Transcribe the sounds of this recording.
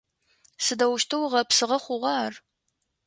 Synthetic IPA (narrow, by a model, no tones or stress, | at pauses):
sɨdɐwʊʃtʰɨwʁɐpsɨʁɐχʷʊʁɑːr